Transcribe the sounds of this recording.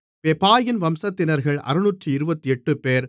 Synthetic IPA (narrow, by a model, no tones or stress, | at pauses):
pɛpaːjɪnʋɐmsɐt̪ːɪnɐɾɣɐɭɐ̰ɾɯnuːʈrɯɪɾɯbɐt̪ːiɛʈːɯpeːɾ